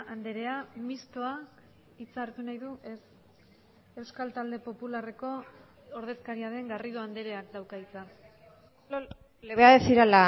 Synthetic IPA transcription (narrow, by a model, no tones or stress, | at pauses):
and̪e̞ɾe̞amist̪o̞a | it͡saɾt̪unajðuʔe̞s | e̞wskalt̪ald̪e̞po̞pulare̞ko̞ː | ɾð̞e̞skaɾiaðe̞ŋɡariðo̞and̪e̞ɾe̞akd̪awkait͡sa | leβeaðesiɾala